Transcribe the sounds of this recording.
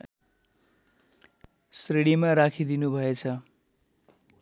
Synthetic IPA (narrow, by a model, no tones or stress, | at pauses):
sriɽimaɾakʰid̪inubʱʌet͡sʰʌ